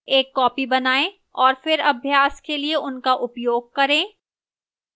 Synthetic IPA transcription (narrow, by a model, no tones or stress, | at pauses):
eːkːɔːpibɐnaːẽ | ɔːɾfɪɾɐbʱjaːskelieʊnkaʔʊpjoːɡ̚kɐɾẽː